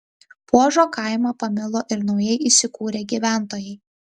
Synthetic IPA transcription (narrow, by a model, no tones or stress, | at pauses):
puɔʒoːkɐˑɪmɐpɐmʲɪlˠoːʔɪɾnɒʊjɛɪʔisʲɪkuːɾʲeːɡʲiːˑʋʲæˑnˑt̪oːjɛɪ